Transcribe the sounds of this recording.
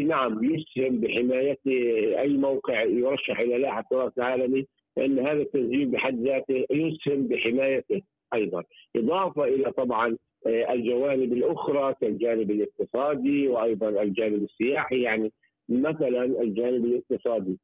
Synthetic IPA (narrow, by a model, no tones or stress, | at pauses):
naʕamjʊshɪmbɪħɪmaːjat̪ɪʔajːmawqɪʕjʊɾˤɑʃːɪħʔɪlalaːħasʊɾˤɑːsɪlʕaːlami | lɪʔanːɦaːðat̪ːazd͡ʒiːmbɪħad̪ːðaːt̪ɪhjʊshɪmbɪħɪmaːjat̪ɪh | ʔɑjðˤɑnʔɨðˤɑːfɑʔɪlat̪ˤɑbʕɑn | ʔɪld͡ʒawaːnɪbɪlʔʊxɾˤɑkald͡ʒaːnɪbɪlʔɪq̚t̪ɨsˤɑːd̪iwɪʔɑjðˤɑnɪld͡ʒaːnɪbɪsːɪjaːħijaʕni | maθalanʔɪld͡ʒaːnɪbɪlʔɪq̚t̪ɨsˤɑːd̪i